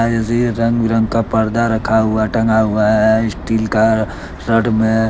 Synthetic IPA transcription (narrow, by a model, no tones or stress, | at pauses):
d͡ʒəsiɾə̃ŋɡɾə̃ŋɡkapəɾd̪aɾəkʰaɦʊaʈə̃ŋɡaɦʊaɦɛɪsʈiːlka | ɾəɖmẽ